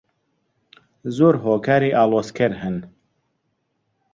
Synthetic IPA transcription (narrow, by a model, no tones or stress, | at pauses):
zoːɾɦoːkʰaːɾiːʔaːlˠoːskʰɛɾhɨn